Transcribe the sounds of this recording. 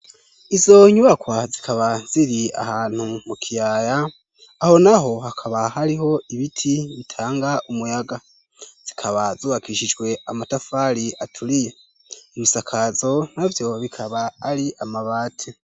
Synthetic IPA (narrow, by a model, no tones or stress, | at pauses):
izo̞ɲuβakwazikʰaβaz̥iɾia̰haːn̥humukʰijajaː | ho̞naho̞hakʰaβahaɾiɦo̞iβitʰiβitʰaːŋɡaʔumujaɡa | z̥ikʰaβazuːβakiʃid͡ʒɡwe̞amatafaɾiʔatʰulije | iβusakʰazo̞navjo̞βikʰaβaːɾiʔamaβaːtʰe